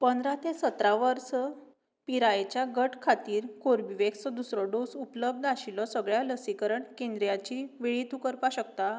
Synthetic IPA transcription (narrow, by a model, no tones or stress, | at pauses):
pənd̪ɾat̪esət̪ɾaʋəɾsə | piɾajet͡ɕjaɡəʈkʰat̪iːɾkoɾbiʋekt͡sɔd̪usɾɔɖosupləb̚d̪aɕilɔsəɡɭjaləsikəɾəɳkẽnd̪ɾjat͡ɕiʋeɭit̪ukəɾpaɕəkt̪a